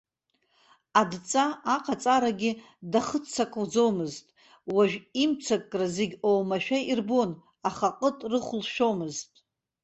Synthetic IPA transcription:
adt͡sʼaːqʰat͡sʼaɾaɡʲɪ | daχət͡sʰakʼwd͡zo̞wmɨztʼ | waʒᶣimt͡sʰakʼːrazeɡʲowmaʃᶣairbon | aχaqʼətʼrɨχʷlʃᶣomɨztʼ

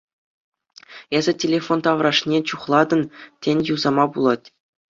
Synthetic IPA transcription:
ezʲɘ̆tʲelʲefont̪ɑʋrɑʂnʲet͡ɕuχlˠɑd̪ɤ̆ntʲenʲjuzɑmɑbulˠɑtʲ

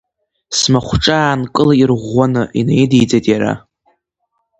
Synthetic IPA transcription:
smaχʷʈ͡ʂʼaːnkʼɨlairʁʷanɨʔinḛjdijd͡zajtʼjaɾa̰

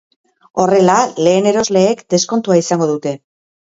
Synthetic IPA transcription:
o̞re̞lale̞ːne̞ɾo̞zle̞ːkd̪e̞sko̞nt̪uaisaŋɡo̞ðut̪e̞

